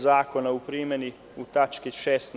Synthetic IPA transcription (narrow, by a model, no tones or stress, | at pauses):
zaːkonaupɾiːmɛni | ut̪at͡ʃkiʃɛːst̪